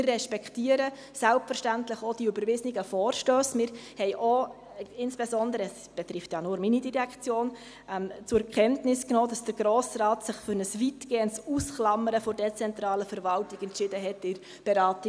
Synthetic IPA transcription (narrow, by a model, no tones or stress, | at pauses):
rːɛʃpɛkʰtiəɾə | sælp̚fəɾʃtæntləχod̥iybəɾvɪzniɡəfɔːrʃtøːsmɪɾhɛjʔo | ɪnsb̥ɛsɔndəɾəɛs | b̥ɛtɾɪftjɑnʊɾminidiɾɛkt͡sjoːn | mt͡sʊɛkʰɛntnɪsknɔːd̥ɑsd̥əɾɡ̥ɾoːsɾɑːtsɪχfʏɾnəsvitɡ̥eːəntsusχlɑməɾəfɔɾdɛt͡sɛntɾɑːləfəɾvɑltiɡɛnt͡ʃɪdəɦɛtɪɾ | b̥ɛɾɑːti